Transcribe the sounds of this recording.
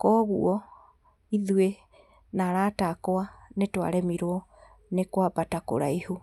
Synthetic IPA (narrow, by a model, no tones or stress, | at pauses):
kɔɣṵɔ | iðue | naɾaːtakoanetwa̰ɾɛmiɾoɔ | nekwabatako̰ɾaihu